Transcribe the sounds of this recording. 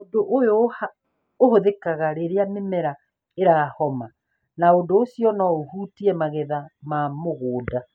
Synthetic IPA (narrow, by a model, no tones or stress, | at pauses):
odoʔojoha | ohoðekaɣaɾeɾeamemɛɾa | eɾaːhɔma | naondoosiɔnɔohuːtiɛmaɣeðamamoɣoːda